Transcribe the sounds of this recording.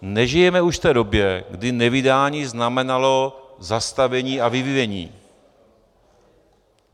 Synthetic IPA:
nɛʒɪjɛmɛuʃft̪ɛːdo̞bjɛɡdɪnɛvɪdaːlɲiznamɛnalozast̪avɛɲiːavɪvɪvɛɲḭː

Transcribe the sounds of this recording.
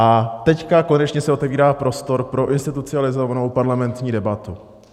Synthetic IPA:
ʔat̪ɛckako̞nɛt͡ʃɲɛsɛʔo̞t̪ɛviːɾaːpɾo̞st̪o̞ɾpɾo̞ʔɪnst̪ɪt̪ut͡sɪalɪzo̞vano̞wpaɾlamɛnt̪ɲiːdɛbat̪u

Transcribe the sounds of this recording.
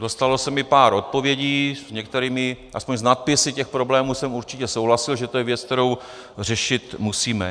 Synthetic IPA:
do̞st̪alo̞sɛmɪpaːɾʔo̞t̪̚po̞vjɛɟiːzɲɛk̚t̪ɛɾiːmɪʔaspoɲznat̪̚pɪsɪcɛxpɾo̞blɛːmuːsɛmuɾt͡ʃɪcɛsowɦlasɪlʒɛt̪ojɛvjɛt͡sk̚t̪ɛɾo̞w | r̝ɛʃɪt̪musiːmɛ̰

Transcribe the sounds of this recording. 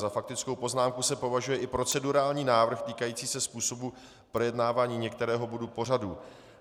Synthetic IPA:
zafak̚t̪ɪt͡sko̞wpo̞znaːmkusɛpo̞vaʒujɛʔɪpɾo̞t͡sɛduɾaːlɲiːnaːvr̩xt̪iːkajiːt͡siːsɛspuːso̞bu | pɾo̞jɛdnaːvaːɲiːɲɛkt̪ɛɾɛːɦo̞bodupo̞raduː

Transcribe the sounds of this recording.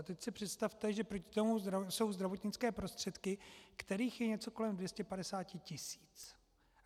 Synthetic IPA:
t̪ɛcsɪpr̝̥ɛt̪st̪aft̪ɛʒɛpɾo̞cɪ̥t̪o̞muzɾaso̞wzd̪ɾavo̞t̪ɲɪt͡skɛːpɾo̞st̪r̥ɛt̪kɪkt̪ɛɾiːxjɛɲɛt͡so̞ko̞lɛmdvjɛscɛpadɛsaːcɪcɪsi̥ːt͡s

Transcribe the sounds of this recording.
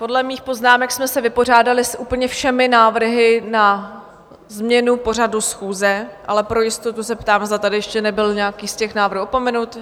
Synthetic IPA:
po̞dlɛmiːxpo̞znaːmɛksmɛsɛvɪpo̞r̝aːdalɪsʔuːpl̩ɲɛfʃɛmɪnaːvr̩ɦɪna | zmɲɛnupo̞r̝ad̪dusxuːzɛʔalɛpɾo̞jɪst̪ot̪usɛpt̪aːmzd̪at̪adɪjɛʃcɛnɛbɪlɲɛakiːscɛxnaːvr̩ɦuopo̞mɛnut̪

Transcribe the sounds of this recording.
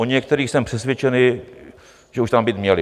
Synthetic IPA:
oɲɛkt̪ɛɾiːxsɛmpr̝̥ɛsvʲjɛt͡ʃɛnɪ | ʒɛuʃt̪ambiːt̪mɲɛlɪ

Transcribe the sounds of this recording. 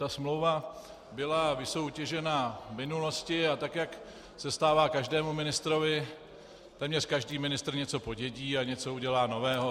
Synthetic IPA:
t̪asmlo̞wva | bɪlavɪso̞wcɛʒɛnavmɪnulo̞scɪat̪akjak | sɛst̪aːvaːkaʒdɛːmumɪnɪst̪ɾo̞vɪ | t̪ɛːmɲɛrkaʒdiːmɪnɪst̪ɾ̩ɲɛt͡so̞po̞ɟɛɟiːaɲɛt͡so̞uɟɛlaːno̞vɛːɦo̞

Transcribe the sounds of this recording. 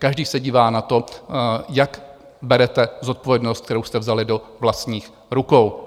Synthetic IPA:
kaʒdiːsɛɟiːvaːnat̪o̞jak | bɛɾɛt̪ɛzo̞t̪̚po̞vjɛdnost̪k̚t̪ɛɾowst̪ɛvzalɪdo̞vlast̪ɲiːx | ɾukow

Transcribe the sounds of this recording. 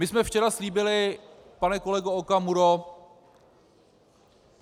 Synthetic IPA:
mɪsmɛft͡ʃɛɾasliːbɪlɪpanɛko̞lɛɡookamuɾo

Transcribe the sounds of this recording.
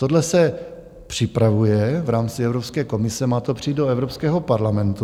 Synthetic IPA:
t̪odlɛsɛ | pr̝̥ɪpɾavujɛvɾaːmt͡sɪɛvɾopskɛːko̞mɪsɛmaːt̪opr̝̥iːt̪̚doɛvɾopskɛːɦo̞paɾlamɛnt̪u

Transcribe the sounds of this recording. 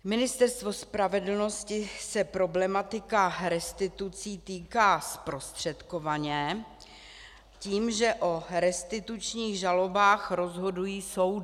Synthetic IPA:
mɪnɪst̪ɛɾst̪vo̞spɾavɛdl̩no̞scɪsɛpɾo̞blɛmat̪ɪkaɾɛst̪ɪt̪ut͡siːt̪iːkaːspɾo̞st̪r̝̥ɛt̪kovaɲɛ | ciːmʒɛʔoɾɛst̪ɪt̪ut͡ʃɲiːɣʒalo̞baːxɾo̞zɦo̞dujiːsowd

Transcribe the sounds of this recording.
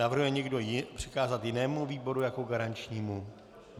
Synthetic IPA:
avr̩ɦujɛɲɛɡdo̞pr̝̥ɪkaːzat̪jɪnɛːmuviːbo̞ɾujakoɡaɾant͡ʃɲiːmu

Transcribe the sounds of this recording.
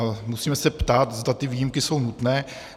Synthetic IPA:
musiːmɛsɛpt̪aːt̪zd̪at̪ɪviːjimkɪso̞wnut̪nɛː

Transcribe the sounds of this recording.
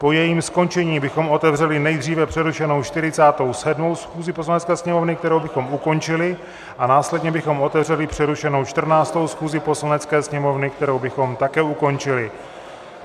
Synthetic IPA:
po̞jɛjiːmsko̞nt͡ʃɛɲiːbɪxo̞mʔo̞t̪ɛvr̝ɛlɪnɛjd̪r̝iːvɛpr̥ɛɾuʃɛno̞wt͡ʃt̪ɪɾɪt͡saːt̪o̞wsɛdmo̞wsxuːzɪpo̞s̬lanɛt͡skɛːsɲɛmo̞vnɪk̚t̪ɛɾo̞wbɪxo̞muko̞nt͡ʃɪlɪ | ʔanaːslɛdɲɛbɪxo̞mo̞t̪ɛvrɛlɪpr̝̥ɛɾuʃɛno̞wt͡ʃt̪r̩naːt͡st̪o̞wsxuːzɪpo̞slanɛt͡skɛːsɲɛmo̞vnɪkt̪ɛɾo̞wbɪxo̞mt̪akɛːuko̞nt͡ʃɪlɪ

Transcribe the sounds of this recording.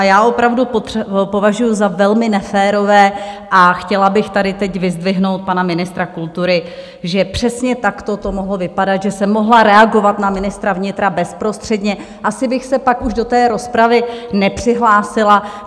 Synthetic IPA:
ajaːʔo̞pɾavdupopo̞vaʒujuzavɛlmɪnɛfɛːɾo̞vɛːʔaxcɛlabɪxt̪adɪt̪ɛcvɪzdvɪɦno̞wt̪̚panamɪnɪst̪ɾakult̪uɾɪ | ʒɛpr̝̥ɛsɲɛt̪akt̪o̞t̪o̞moɦlo̞vɪpadat̪ʒɛsɛmːo̞ɦlaɾɛaɡo̞vat̪namɪnɪst̪ɾavɲɪt̪ɾabɛspɾo̞st̪r̝̥ɛdɲɛ | ʔasɪbɪxsɛpakuʒdo̞t̪ɛːɾo̞spɾavɪnɛpr̝̥ɪɦlaːsɪla

